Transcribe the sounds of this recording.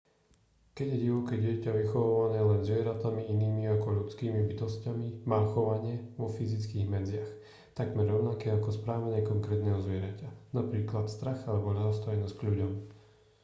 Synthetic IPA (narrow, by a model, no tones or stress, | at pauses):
kɛɟjɛɟiʋɔkɛɟɪɛcaʋixɔʋaʋanɛːlɛnzʋɪɛɾat̪amiiniːmiakɔʎut͡skiːmibit̪ɔscamimaːxɔʋaɲɪɛʋɔfizit͡skiːɣmɛd͡zɪax | t̪aɡmɛɾːɔʊnakɛːakɔspɾaːʋaɲɪɛkɔŋkɾɛːt̪nɛːɦɔzʋɪɛɾacanapɾiːklat̪st̪ɾaɣalɛbɔʎaɦɔst̪ɔjnɔscɡʎuɟɔm